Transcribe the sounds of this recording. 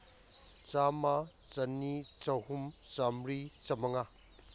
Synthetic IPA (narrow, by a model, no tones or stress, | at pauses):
t͡sama | t͡sɐnːit͡sahumt͡samɾit͡sɐmɐŋa